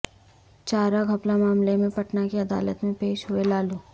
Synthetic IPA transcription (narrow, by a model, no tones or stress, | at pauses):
t͡ʃaːɾaɡʱɐplamaːmlemẽpɐʈnakeɐd̪a̰ːlət̪mẽpeːʃɦʊelaːlu